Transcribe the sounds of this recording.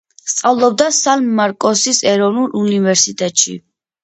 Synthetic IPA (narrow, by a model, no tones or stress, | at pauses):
st̪sʼavlˠɔb̚d̪asalmːaɾkʼɔsisɛɾɔvnulˠunivɛɾsit̪ʼɛt̪ʼʃḭ